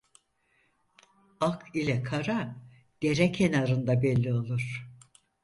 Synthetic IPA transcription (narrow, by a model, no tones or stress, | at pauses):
akʰilʲɛkʰaɾa | d̪̥eɾɛcʰenaɾɯnd̪abɛlʲːio̞lˠuɾ̥